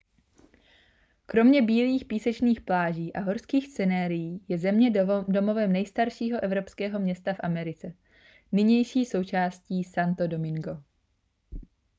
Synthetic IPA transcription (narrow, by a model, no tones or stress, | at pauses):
kɾo̞mɲɛbiːliːxpiːsɛt͡ʃniːxplaːʒiːʔaɦo̞ɾskiːxst͡sɛnɛːɾɪjiːjɛzɛmɲɛdo̞mo̞vɛmnɛjst̪aɾʃiːɦo̞ʔɛvɾo̞pskɛːɦo̞mɲɛst̪afʔamɛɾɪt͡sɛ | nɪɲɛjʃiːso̞wt͡ʃaːsciːsant̪o̞do̞mɪŋɡo̞